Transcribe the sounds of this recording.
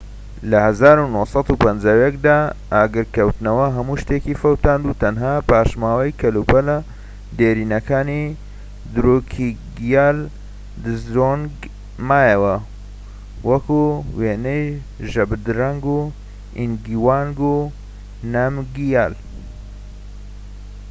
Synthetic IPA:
lɐhɐzaːɾunoːhsˤɑt̪upɐnd͡ʒaːwjɛk̚d̪aː | aːɡɨɾkɐwt̪nɐwɐɦɐmuʃt̪eːkifɐwt̪aːnd̪ut̪ʰɐnɦaːpaːʃmaːwɐjkʰɐlupɐlɐ | d̪eːɾiːnɐkʰaːni | d̪ɨɾukʰiɡijaːl | d̪ɨzɾonɡ | maːjɐwɐ | wɐkuweːnɐej | ʒɐbd̪ɾɐŋɡu | ḭnɡiwaːŋɡu | namɡijaːl

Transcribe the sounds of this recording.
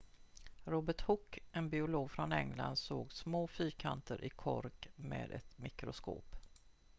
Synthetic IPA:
ɾoːbəʈhʊkːʔɛnbɪʊloːɡfɾɔnɛŋla̰nd̪soːɡsmoːfyːkʰant̪əɾʔɪkʰɔ̰ɾkmḛːd̪ɛ̰t̪mɪkɾʊsko̰ːp

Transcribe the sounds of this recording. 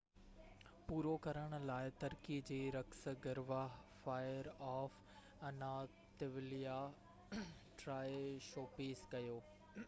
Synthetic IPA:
puːɾokɐɾəɽ̃ʊ̆laːɪt̪ɐɾkid͡ʑeːɾɐksɡɐɾʋafaːɪəɾaːf | ɐna | t̪ɪʋɪlija | ʈɾaːɪʃoːpiskɐjoː

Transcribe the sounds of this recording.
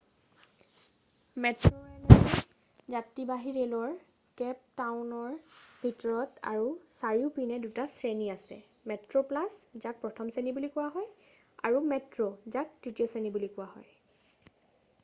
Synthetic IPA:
mɛtɹoɛnɛ | zatːibaɦiɹelɔɹ | kɛp̚tawʊnɔɹbʱitɔɹɔta̰ɹusaɹiʊpinɛdutasɹeniasɛ̰ | mɛtɹoplaszak̚pɹɔtʰɔmsenibulikʊwaɦɔj | a̰ɹumɛtɹozak̚d̥itijɔsenibulikʊwahɔ̰j

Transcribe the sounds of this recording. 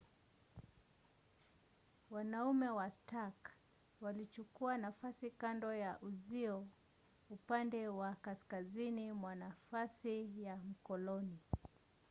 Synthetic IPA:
wanaumɛwastak | walit͡ʃukuanafasikandɔjaʔuziɔ | upandɛwakaskazinimwanafasijam̩kɔlɔni

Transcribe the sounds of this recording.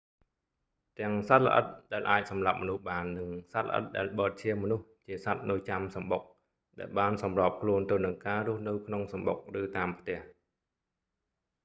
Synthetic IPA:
t̪ɛ̆əŋsat̪̚lə̰̆ʔə̰t̪̚ɗaɛlʔaːc̚sɑmlap̚mɔnuhɓaːnːɨŋsat̪̚lə̰ʔə̰t̪̚ɗaɛlɓəːt̪̚t͡ɕʰiəmɔnuht͡ɕiəsat̪̚nɨəjt͡ɕamsɑmɓok̚ | ɗaɛlɓaːnsɑmrop̚kʰluənt̪ɨwnɨŋkaːrʊ̆əhnɨwkʰnoŋsɑmɓo̰k̚rɨːt̪aːmpʰt̪ɛ̆əh

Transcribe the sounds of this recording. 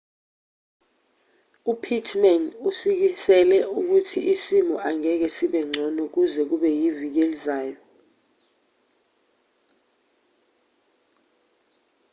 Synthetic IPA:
upʰitʰmɛnusik̬isɛlɛuk̬utʰiʔisimɔʔaŋɛk̬ɛsiɓɛŋ͡ǀʱɔnɔk̬uzɛk̬uɓɛjivik̬elizaːjɔ

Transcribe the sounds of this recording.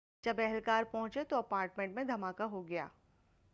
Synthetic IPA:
d͡ʒɐbɛɦɛlkaːɾpɐɦʊ̃t͡ʃet̪oɐpaːɾʈmẽɳʈmẽd̪ʱɐmaːkaɦoɡɐja̰ː

